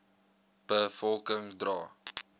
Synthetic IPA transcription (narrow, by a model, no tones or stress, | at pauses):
b̥əfɔlˠkəŋdrɑː